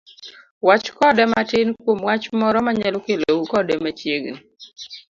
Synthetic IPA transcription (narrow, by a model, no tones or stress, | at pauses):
wat͡ʃkɔdɛmatɪnkwomwat͡ʃmɔɾɔmaɲɛlokelowukɔdɛmat͡ʃjeɡn